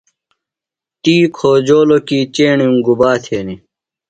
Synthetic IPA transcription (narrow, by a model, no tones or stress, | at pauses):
t̪iːkʰoːd͡ʑoːlokiːt͡ɕeːɳjũŋɡubaːt̪ʰeːni